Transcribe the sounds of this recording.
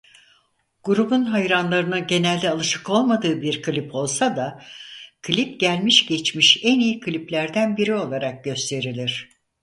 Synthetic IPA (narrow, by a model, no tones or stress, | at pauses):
ɡ̥uɾubunɦajɾanlˠaɾɯnɯɟe̞nælʲd̪ɛalˠɯʃɯ̥ko̞lˠmad̪ɯːbiɾkʰɯlʲipʰo̞lˠsad̪a | kʰlʲip̚ɟælʲmiʃɟɛt͡ʃmiʃɛnijikʰɯlʲiplʲæɾd̪ænbiɾio̞lˠaɾak̚ɟø̞st̪ʰe̞ɾilʲiɾ̥